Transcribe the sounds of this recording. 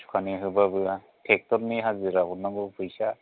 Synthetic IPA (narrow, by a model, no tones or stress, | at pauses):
sʰu̥kʰaniɦɯbabɯa | tʰek̚tɔɾniɦazɯɾabɔnaɡɯpʰɯjsa